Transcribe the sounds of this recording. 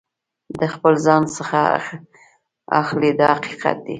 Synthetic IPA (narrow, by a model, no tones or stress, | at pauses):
d̪əxpəlzɑnsəxa | a̰xlid̪ɑhaqi̥qa̰t̪̚d̪i